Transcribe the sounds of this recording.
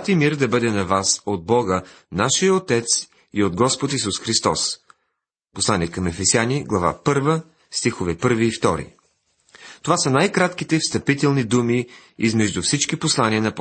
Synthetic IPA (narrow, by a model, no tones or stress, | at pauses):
t̪imiɾd̪ɐbɤd̪ɛnɐvasod̪̚bɔɡə | naʃijəot̪ɛt̪s | iod̪̚ɡɔspot̪isusxɾist̪ɔ̰s | poslˠaniɛkɐmɛfɛsjaniɡlˠɐva̰pɤɾvə | st̪ixovɛpɤɾviːft̪ɔɾḭ | t̪ovasənajkɾat̪k̟it̪ɛfst̪ɐpit̪ɛlˠnid̪umiizmɛʒd̪ufsit͡ʃkiposlˠaniənɐp